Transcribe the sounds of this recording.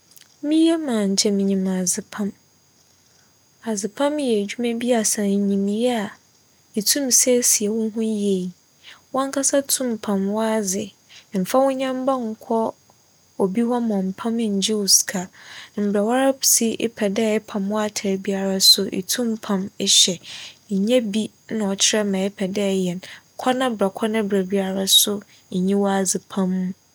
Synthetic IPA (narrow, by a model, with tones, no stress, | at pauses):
mĩ˦ɛ˦mãː˨ɲ̩˨t͡ɕʰɛ˦˨mĩ˨ɲĩ˨ma˨zɪ˨pʰã˦m | a˨zɪ˨pʰã˦mjɛ˨d͡ʑᶣu˦mɛ̃˦bi˦a˨sã˨ɲĩ˨mĩ˨jɛ˦a˨ | e˨tʰũ˦msɛ˦si˨ɛ˨wʊ̃˦n˦ɦũ˦je˨i˨ | wɔ̃˦ŋ˦kʰa˦sa˦tʰũ˦mpʰã˨mwɔ˦a˦d͡zɪ˨ | m̩˨fa˦wʊ̃˦ɲã˦m˦ba˦ŋ̩˨kʷʰɔ˦ | ɔ˨bi˦hɔ˦m˨ɔ̃˨m̩˨pʰã˦mɪ̃˦˨ɲ˨d͡ʑi˦˨skʰa˨m̩˨bɾa˨wa˦ɾa˦psi˦ʔɪ̰˦pʰɛ˨dɛ˦˨ɪ˦pʰã˨mwɔ˦a˦tʰa˨bi˦a˦ɾa˦sʊ˦ʔɪ̰˨tʰũ˦mpʰã˨mɪ˦ɕɛ˨ɲ̩˨ɲɛ̃˦bi˦ | nã˨ɔ˨t͡ɕʰɪ˦ɾɛ˦mã˨ɛ˦pʰɛ˨dɛ˦˨jɛ˨n˨ | kʰɔ˦nã˦bɾa˨kʰɔ˦nã˦bɾa˨bi˦a˦ɾa˦sʊ˦ | ɲ̩˨ɲĩ˦wɔ˦a˨d͡zɪ˨pʰã˦m̃ː˦